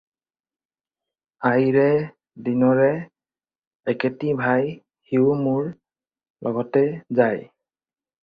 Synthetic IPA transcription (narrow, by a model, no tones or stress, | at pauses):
ajɹɛ | dinɔɹɛ | ketibʱaj | hiʊmuɹ | lʔɔɡɔtɛzaj